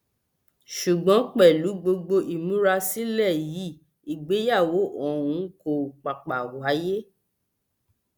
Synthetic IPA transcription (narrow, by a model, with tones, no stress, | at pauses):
ʃu˨ɡ͡bɔ̃˨˦k͡pɛ˦˨lu˨˦ɡ͡bo˧ɡ͡bo˧ʔi˨mũ˨˦ɾa˧si˦lɛ˦˨ji˨˦ | i˨ɡ͡be˨˦ja˦˨wo˨˦ʔɔ̃˨ũ˨˦ko˦˨k͡pa˨k͡pa˨wa˨˦je˦